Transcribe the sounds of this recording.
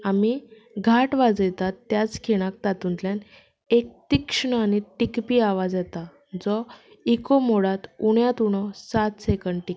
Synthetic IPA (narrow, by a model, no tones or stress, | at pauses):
ami | ɡʱaʈʋad͡zəjt̪at̪ːjat͡skʰeɽ̃ak̚t̪at̪unt̪ljan | ek̚t̪ikʂɳəaniʈikpiːaʋad͡zjɛt̪a | d͡zɔ | ikomoɽat̪uɳjat̪uɽ̃ɔsat̪sekəɳɖʈik